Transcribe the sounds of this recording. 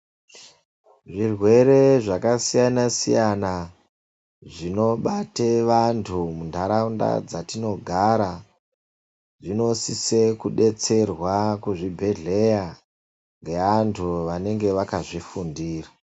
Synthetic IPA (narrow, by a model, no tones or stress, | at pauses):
ʐirwe̞ɾe̞ʐakasijanasijana | ʐino̞ɓateʋantʰumundʱaɾaunda̰d͡zatino̞ɡʱaɾa | ʐino̞sisekuɗe̞t͡se̞rwakuʐibʱe̞ɮe̞ja | ŋɡe̞antʰuʋane̞ŋɡe̞ʋakaʐifundiːra